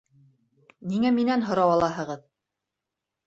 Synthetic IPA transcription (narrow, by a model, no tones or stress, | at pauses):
niŋæminænɦŏɾɑwɑlˠɑɦɤ̆ʁɤð